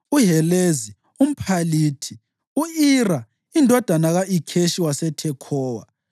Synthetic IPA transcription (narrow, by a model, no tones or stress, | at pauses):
uɦɛlezi | um̩pʰaliːtʰi | uira | indʱɔd̥ʱanaɣaʔikʰeʃiwasɛtʰɛkʰɔːwa̰